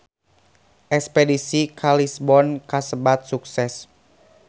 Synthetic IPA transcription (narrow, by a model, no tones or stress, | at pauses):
ʔɛkspɛdisikʰalisbɔnkasəbat̪̚suksɛs